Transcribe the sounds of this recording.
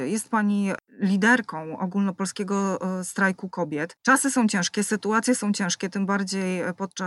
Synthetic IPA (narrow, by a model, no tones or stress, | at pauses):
jɛst̪̚paɲilʲid̪ɛɾkɔ̃w̃ɔ̰ɡulnɔpɔlskʲɛɡɔst̪ɾajkukɔbʲjɛt̪t͡ʂasɘsɔ̃w̃t͡ɕɛ̃ʂkʲɛsɘt̪uat̪sʲjɛsɔ̃w̃t͡ɕɛ̃ʂkʲɛt̪ɘmbaɾd͡ʑejpɔt̪̚t͡ʂa